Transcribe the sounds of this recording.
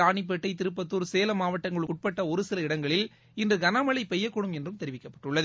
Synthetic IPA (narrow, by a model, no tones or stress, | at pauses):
aːɳɪp̬ːɛʈːɐɪt̪ɪɾɯp̬ːɐt̪ːuːɾseːlɐmaːʋɐʈːɐŋɡɐɭɯkʊʈ̚pɐʈːɐɔɾɯsɪlɐɪɽɐŋɡɐɭɪl | ɪndrɯɡɐnaːmɐɭɐɪpɛjːɐkːɔɽɯmɛndrɯmt̪ɛɾɪʋɪkːɐpːɐʈːɯɭːɐðɯ